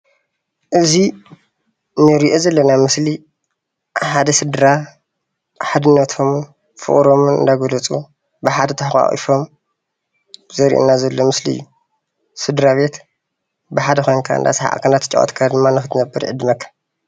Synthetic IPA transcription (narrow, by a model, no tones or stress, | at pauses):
ʔɨzi | nɨɾiʔo̞zɐlːɐnamɨsli | ħad̪ɐsɨd̪ɾa | ħad̪ɨnːɐt̪ʰo̞m | fɨ̰χʼɾo̞mɨnɨ̰nd̪aɡolɐt͡sʼu | bɨħad̪ɐt̪ʰɐħxa̰χʼḭfo̞m | zɐɾḭʔṵnːazɐlːo̞mɨsliɨ̰jːu | sɨd̪ɾaβe̞t̪ | bɨħad̪ɐxʰo̞jnkʰa̰ɨ̰d̪a̰sħa̰ʔa̰kʰːɐnat̪ʰɨ̥t͡ʃʼa̰wo̰t̪kʰad̪ɨmːanɨxɨt̪ʰɨnɐbːɨɾʕɨd̪ɨmɐkʰːḁ